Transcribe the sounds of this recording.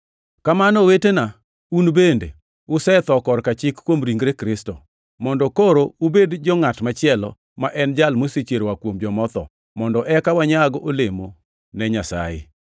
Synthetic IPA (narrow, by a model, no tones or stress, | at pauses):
kamanɔwetena | unbende | ʊsɛt̪ɔkɔɾkat͡ʃɪkkːwomɾiŋɡɾekɾɪstɔ | mɔndɔkoɾoubedd͡ʒɔŋatmat͡ʃɪɛlɔ̰ | maʔɛnd͡ʒalmosit͡ʃeɾwakwomd͡ʒɔmɔt̪ɔ̰ | mɔndɔʔɛkawaɲaɡɔʔolemo | nɛɲasa̰ɪ̰